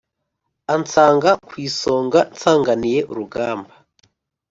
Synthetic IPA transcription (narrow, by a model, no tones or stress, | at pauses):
ant͡saːŋɡakwiːso̞ːŋɡant͡saːŋɡanije̞ʔuɾuɡaːmba